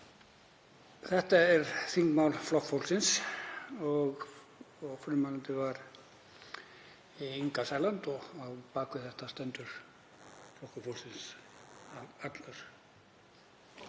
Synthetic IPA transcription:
θɛht̪aɛɾθiŋkmawlflɔhkfowlsɪns | ɔɣ | ɔɣfʏmawlant̪ɪvaɾ | iiŋkasaːjlant̪ɔapaːkʏθɛht̪ast̪ɛnt̪ʏɾ̥ | flɔhkʏfowlsɪnsaat̪lœɾ̥

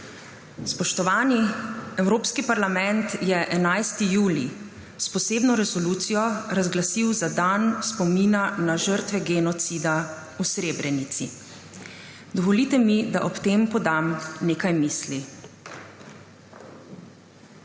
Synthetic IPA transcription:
spɔʃt̪ɔʋaːniɛwɾoːpskipaɾlamɛnt̪jɛʔɛnajst̪ijuːli | spɔseːbnɔɾɛsɔluːt̪sijɔɾazɡlasiwzad̪anspɔmiːnanaʒəɾt̪ʋɛɡɛnɔt̪sid̪a | usɾeːbɾɛnit̪sḭ | d̪ɔʋɔlit̪ɛmid̪aʔɔpt̪eːmpɔd̪amneːkajmiːsli

